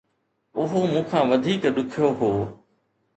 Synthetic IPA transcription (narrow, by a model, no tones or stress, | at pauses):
ʊɦomũːkʰãːʋɐd̪ʱiːkɗ̪ʊkʰijoɦoː